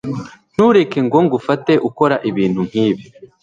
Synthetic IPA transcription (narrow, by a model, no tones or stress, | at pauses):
n̥huːɾe̞ke̞ŋɡo̞ŋɡufate̞ʔuko̞ɾaʔiβiːn̥hum̥hiːβi